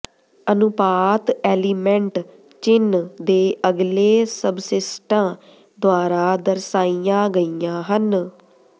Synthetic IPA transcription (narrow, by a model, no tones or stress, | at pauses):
ənʊpaːt̪ɛːliːmɛ̃ɳʈ | t͡ʃɪnd̪eːʔəɡleːsəbsɪsʈãː | d̪oaːɾaːd̪əɾsaːijãːɡəijãːɦən